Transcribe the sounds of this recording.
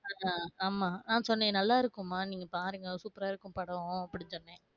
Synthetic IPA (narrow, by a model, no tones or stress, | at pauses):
aaːmaːnãːsɔnːẽːnɐlːaːɪɾɯkːɯmːaːniːŋɡɐpaːɾɯŋɡɐsuːpːɪɾaːɪɾɯkːʊ̃mpɐɽɐ̃ɐpːɐɽɪnsɔnːẽː